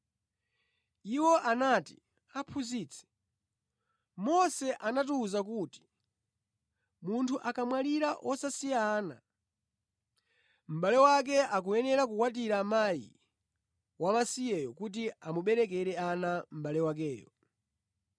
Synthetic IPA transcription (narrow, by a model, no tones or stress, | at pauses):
iwɔʔanati̥ | apʰuziːt͡sʰɛ̥ | mɔsɛʔanatuːzak̬uti̥ | muntʰuʔakamwaliɾaʔɔsasijaːna̰ | m̩ɓalɛwak̬ɛʔak̬ujɛnɛɾak̬ukwat̬iɾamajḭ | wamasijɛjɔkut̬iamuɓɛɾɛk̬ɛɾɛanam̩ɓalɛwak̬ɛːjɔ̰